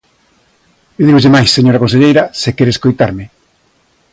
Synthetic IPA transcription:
eðiɣozðemajsːeɲoɾɐkonseʎejɾɐsekɛɾeskojt̪aɾmɪ

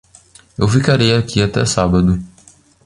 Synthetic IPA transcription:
ewfikaɾejakʰiat̪ɛ̰sabɐd̪ʊ

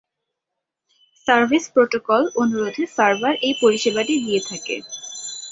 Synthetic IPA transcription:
saɾbʱespɾoʈokɔlonuɾod̪ʱesaɾbaɾʔejpoɾiʃebaʈid̪iet̪ʰakḛ

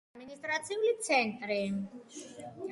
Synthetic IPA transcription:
minist̪ʼɾat͡sʰiulit͡sʰɛnt̪ɾi

